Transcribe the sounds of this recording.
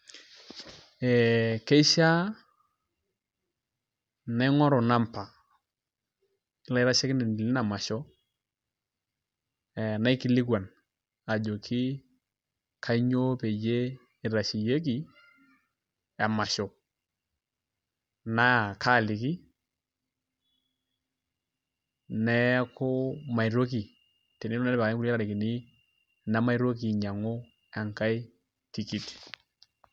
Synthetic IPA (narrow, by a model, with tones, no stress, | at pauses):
ɛ˨ke˦ʃa˦ | na˦ŋɔ˦ɾɔ˨na˦mpa˨ | ɪ˨˦la˦ɪ˦ɾa˦ʃɛ˦kɪ˦ne˨n˨di˨lɪ˦na˨ma˨ʃɔ˦ | ɛ˨na˦ɪ˦ki˦li˦kwa˨n | a˨d͡ʒo˨kʰi˦ | kʰa˦ɲo˦pe˨d͡ʒe˦ | i˨ɾa˨ʃi˨je˦k̬i˨ | ɛ˨ma˨ʃɔ˨ | na˦˨kʰa˦˨lɪ˨ki˦ | nɛ˦kʊ˦ma˨ɪ˨ɾo˦k̬i˨ | tɛ˨nɪ˦lɛ˦pa˨˦ku˦a˦ka˦ɾɪ˨kɪ˨nɪ˦ | na˦ma˦jɾo˦ki˨ɲa˨ŋʊ˦ | ɛ˨ŋka˦i˦ | ti˨ki˨t